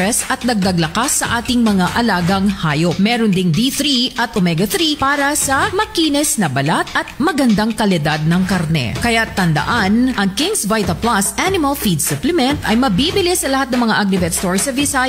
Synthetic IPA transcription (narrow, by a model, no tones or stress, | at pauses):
ɛsɐt̪̚nɐɡ̚d̪ɐɡlɐkasːɐʔaːt̪ɪŋmɐŋaʔɐlaːɡɐŋhaːjop̚mɛːɾond̪ɪnd̪iθɾiʔɐt̪ʔomɛɡɐθɾipaːɾɐsɐmɐkiːnɛsnɐbɐlat̪ʔɐt̪̚mɐɡɐnd̪aŋkɐlɪd̪ad̪̚nɐŋkɐɾnɛ̰kɐjat̪ːɐnd̪ɐ̰ʔanʔɐŋkɪŋsvajt̪ɐplasʔanɪmɐlfid̪sʊplɛmɛnt̪ɐjmɐbibɪlɪsɐlɐhat̪nɐŋmɐŋaʔaɡɾɛbɛt̪st̪oɹsɐvɪsa